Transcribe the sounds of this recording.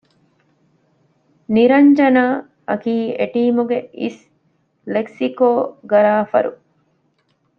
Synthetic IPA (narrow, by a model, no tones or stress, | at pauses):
niɾɐɲd͡ʒɐnaː | ʔɐkiːeʈiːmuɡeʔis | leksikoːɡɐɾaːfɐ̰ɾṵ